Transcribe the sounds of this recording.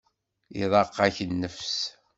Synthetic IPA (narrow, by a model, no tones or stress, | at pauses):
iðˤɑqːaçənːəfs